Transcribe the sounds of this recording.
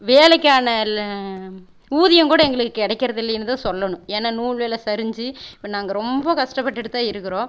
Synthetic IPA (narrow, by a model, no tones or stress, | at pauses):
ʋeːlɐkːaːnɐ | uːðɪjɐŋkuːɽɐɛŋɡɐɭɯkːɯːkɪɽɐkːɪɾɐðɪlːɐjnːɯt̪ãːsɔlːɐɳʊ̃eːnːaːnuːɭʋeːlɐsɐɾɯɲd͡ʒiɪpːɐnaːŋɡɐɾɔmbɐkɐʂʈɐpːɐʈːɪɽɯt̪ːaːɪɾɯkːɪɾõː